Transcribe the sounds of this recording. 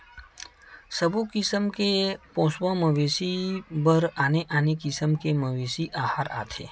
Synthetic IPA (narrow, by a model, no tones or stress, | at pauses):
səbukɪsəmkepõːswãməʋeːsibəɾaːneʔaːnikɪsəmkeməʋeːsiʔaːhaːɾa̰ːt̪ʰḛː